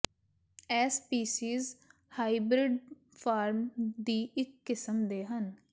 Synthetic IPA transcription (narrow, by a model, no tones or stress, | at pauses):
ɛːspiːsiːz | haːibɾɪɖ | pʰaːɾmd̪iːʔɪkːɪsəmd̪eːɦən